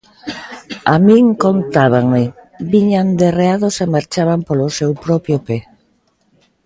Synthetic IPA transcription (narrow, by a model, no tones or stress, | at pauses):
amĩŋkont̪aβaŋmɪ | biɲand̪ereaðosemaɾt͡ʃaβampolʊsewpɾɔpjope